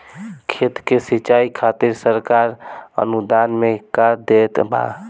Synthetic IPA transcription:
kʰet̪kesit͡ʃaikʰat̪iɾsəɾkaɾə̰nud̪anmekəɾd̪et̪ba̰

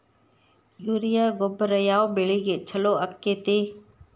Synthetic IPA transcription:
juːɾɪjaːɡʊbɾəjaːobeɭiːɡeːt͡ʃʰəloːəkːeːt̪eː

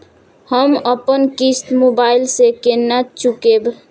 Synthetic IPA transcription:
həməpənkist̪mobailsekenːat͡ʃukeb

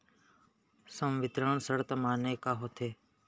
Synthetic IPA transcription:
səmʋɪt̪ɾəɳsəɽt̪əmaːneːkaːɦoːt̪ʰeː

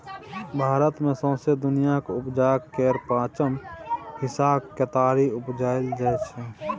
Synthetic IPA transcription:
bʱaːɾət̪mẽsə̃ːsed̪ʊnijakʊpd͡ʒaːkkːeːɾpãːt͡ʃəmhɪsaːbkət̪aːɾiʊpd͡ʒaːɪld͡ʒaːt͡ʃʰɛ

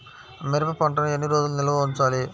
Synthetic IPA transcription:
mɪɾɐpɐpɐɳʈɐnɐenːiɾoːd͡ʒulunɪlɐʋɐːuɲt͡ʃaːli

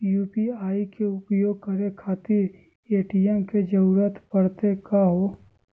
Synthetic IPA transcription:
juːpiaːikeʊpjoːɡ̚kɐɾekʰaːt̪iɾ | eːʈijɛmked͡ʒəɾuːɾət̪pəɽt̪ekaɦoː

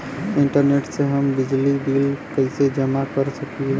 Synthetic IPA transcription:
iɳʈəɾneʈsẽɦəmbid͡ʒlibilkəɪsed͡ʒəmakəɾsəki

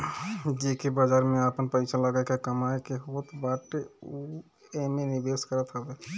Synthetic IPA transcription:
d͡ʒikebad͡ʒaːɾmẽapənpəɪsaləɡaːekakəmaekeɦoːt̪baːʈeu | emẽnɪbeːskəɾət̪ɦɛbe

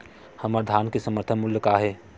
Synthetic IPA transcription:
hɐmaːɾd̪ʱaːnkesəməɾt̪ʰəmʊljəkaɦɛː

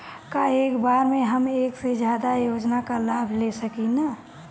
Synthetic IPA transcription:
kaeːkbaɾmẽɦəmeːksed͡ʒjad̪ajoːd͡ʒnakalaːbʱlesəkina

